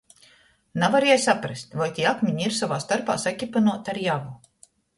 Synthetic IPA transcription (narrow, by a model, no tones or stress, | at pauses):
navaɾeɛjsapɾast̪ʲvajt̪ʲiːakmʲiɲiɾsavaːst̪aɾpa̰ːsakʲipanuɔt̪aɾjavu